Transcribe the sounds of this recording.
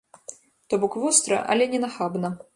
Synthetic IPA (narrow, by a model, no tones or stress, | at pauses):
t̪ɔbɔkvɔst̪ɾɐ̰ʔɐ̰lʲɛnʲɛnaxabnɐ